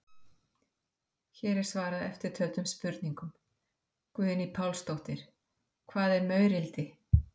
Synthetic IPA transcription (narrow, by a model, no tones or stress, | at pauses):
çɛːɾɛɾ̥svaːɾaðɛ̰ft̪ɪɾ̥t̪ʰœɥt̪ʏmspʏɾt̪niŋkʏm | kvʏːðɪnipʰawlst̪owht̪ɪɾ̥ | kʰvaːðɛɾmœːɥɾɪlt̪ɪ